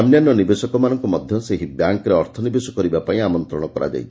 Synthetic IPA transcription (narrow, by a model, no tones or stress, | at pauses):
amnjanjɔnibesɔkɔmanɔŋkumɔd̪ʱjɔseɦibjaŋkɾeɔɾt̪ʰɔnibesɔkɔɾibapaĩamɔnt̪ɾɔɽ̃ɔkɔɾa̰d͡ʒa̰ij